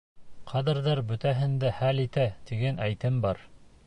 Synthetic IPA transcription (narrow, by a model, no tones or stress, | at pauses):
qʰɑðɘ̆ɾðɑɾbɵ̆t̪æɦɘ̆nd̪æhælit̪æt̪iɡænæjt̪ɘmbɑɾ